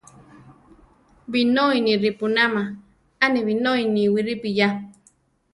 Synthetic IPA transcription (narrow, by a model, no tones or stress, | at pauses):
binoiniɾipunama | aneβinoiniwiɾipija